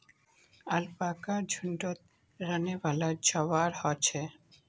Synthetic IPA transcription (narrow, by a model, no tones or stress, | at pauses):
alpakaɾd͡ʑʱuɳɖot̪̚ | ɾanebʱalad͡ʑɔβaɾhɔt͡ɕʰe